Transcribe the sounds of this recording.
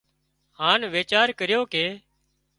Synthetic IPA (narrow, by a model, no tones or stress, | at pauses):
hãːnʋeːt͡ʃaːɾkəɾɪjoːkeː